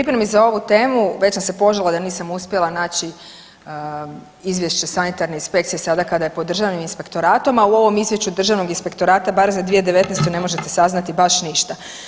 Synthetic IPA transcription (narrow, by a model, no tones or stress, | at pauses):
pɾipɾemizao̞ʋut̪eːmuʋe̞t͡ɕsamse̞po̞ʒalˠad̪aniːsamuspʲje̞lˠanaːt͡ɕi | izʋje̞ʃt͡ɕe̞sanit̪aɾneinspe̞k̚t̪sijesad̪akad̪ajepod̪r̩ʒaʋniminspe̞kt̪o̞ɾaːt̪o̞mauo̞ʋo̞mizʋjeʃt͡ɕud̪r̩ʒaʋnoɡinspe̞kt̪o̞ɾaːt̪abaɾezad̪ʋijed̪e̞ʋe̞t̪nest̪one̞mo̞ʒe̞t̪esaznat̪ibaʃniʃt̪a